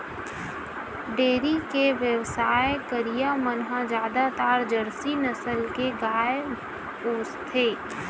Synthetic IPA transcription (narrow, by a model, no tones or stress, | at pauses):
ɖeːɾikeʋjəwsaːekəɾijamənɦãd͡ʒaːd̪at̪aːɾd͡ʒəɽsinəsəlkeɡaːe | poːst̪ʰeː